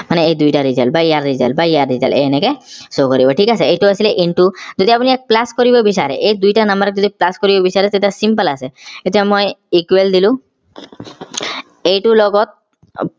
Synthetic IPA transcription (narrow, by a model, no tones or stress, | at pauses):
maneejd̪ujʈaɾid͡ʒalbajaɾːid͡ʒa̰lbaiaɾːiza̰lḛenekesokɔɾibɔʈʰikasʰeejʈuasileʔiɳʈud͡ʒɔd̪ʱiapuniɛk̚plaskɔɾibɔbisaɾḛʔejd̪ujʈanambəɾk̚ɔd̪iplaskoɾibɔbisaɾet̪et̪asimpəlasʰeet̪iamojikweld̪ilũ | ejʈulɔɡɔt̪̚